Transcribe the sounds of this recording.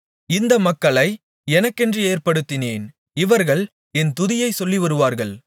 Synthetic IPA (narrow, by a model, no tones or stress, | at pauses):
ɪnd̪ɐmɐkːɐɭɐɪ | ɛnɐkːɛndrieːɾpɐɽɯt̪ːɪneːn | ɪʋɐɾɣɐɭ | ɛnt̪ʊðɪjɐɪsɔlːɪʋɐɾɯʋaːɾɣɐɭ